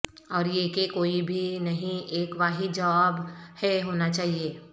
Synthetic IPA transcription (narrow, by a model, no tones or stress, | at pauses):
ɔːɾjeːkekoːibʱinɐɦĩeːkʋaːɦid͡ʒɐʋaːbhɛɦoːnat͡ʃaːɦieː